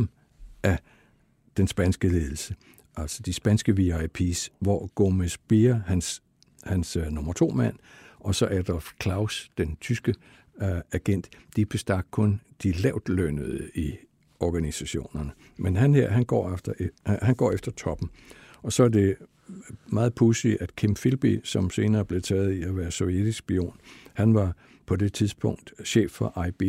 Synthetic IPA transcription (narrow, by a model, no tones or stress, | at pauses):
m̩ | ʔæ | d̥ensb̥ænsɡ̥əle̝ːð̞ˠl̩sə | ʔæl̰sɒd̥isb̥ænsɡ̥əʋiɑ̈ɪpʰisʋɒɡ̥o̝mesb̥iɐhæns | hænsnɔmɐt͡sʰo̝̰ːmæn̰ɒ̽sɒ̽ʔæd̥ɒlfkʰlɑ̈ʊsd̥ent͡sʰysɡ̥ə | æɡ̥en̰d̥d̥ib̥e̝sd̥ɑ̈ɡ̥̚kʰɔ̽nd̥ilɛʊ̰d̥lønəð̩ˠi | ɒɡ̥ænisæɕo̝̰ːnɐnə | menɦænheɐ̰ɦænɡ̥ɒ̰ːefd̥ɐhænɡ̥ɒ̰ːefd̥ɐt͡sʰɒ̽b̥n̩ | ɒ̽sɒ̽æɐd̥e̝ | mɑ̈ːð̞̩ˠpʰusiʔæd̥kʰimfilb̥isɒ̽mse̝ːnɐːb̥le̝t͡sʰɛ̰ːð̞̩ˠiæʋæːɐsɔjed̥isɡ̥b̥io̝̰ːnhænʋɑ̈ | pʰɒ̽de̝t͡sʰiðˠsb̥ʰɔ̽ŋ̰d̥ɕḛːfːɒ̽ʔɑ̈ɪb̥i